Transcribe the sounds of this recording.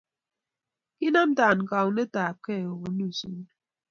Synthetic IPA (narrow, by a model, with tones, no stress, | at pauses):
ki˦na˦m̩˦ta˨n̩˨ka˨wne˦taː˨p̚ke˦˨o˨ɣo˨nu˦˨su˦n